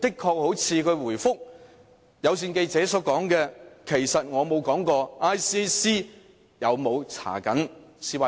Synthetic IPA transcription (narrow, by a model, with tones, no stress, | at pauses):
t̪ɪ˥kʰːɔː˧k̚ho˨˥wt͡sʰiː˨˧kʰɵ˨˧ɥwuː˨˩jfʊ˥k̚ | jɐ˨˧ws̬iː˧nke˧jt͡sɛː˨˥sɔː˨˥kɔː˨˥ŋkɛː˧kʰe˨˩jsɐ˨t̚ŋɔː˨˧mo˨˧wkɔː˨˥ŋkɔː˧aː˥jsiː˥siː˥ | jɐ˨˧wmo˨˧wt͡sʰa̰ː˨˩kɐ˨˥nsiː˧wa˧